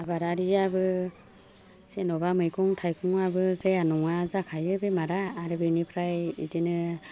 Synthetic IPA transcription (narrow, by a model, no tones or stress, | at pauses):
abaɾaɾiabɯ | z̥enɔbamɯjkʰɔŋtʰajkʰuŋabɯzejanɔŋazakʰajɯbemaɾaːɾɯbɯnipʰɾajḭdinɯ